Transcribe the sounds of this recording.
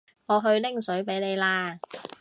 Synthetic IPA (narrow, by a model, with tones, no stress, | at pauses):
ŋɔː˨˧ɦɵ˧ɥlɪ˥ŋsɵ˨˥ɥpe˨˥jne˨˧jlaː˧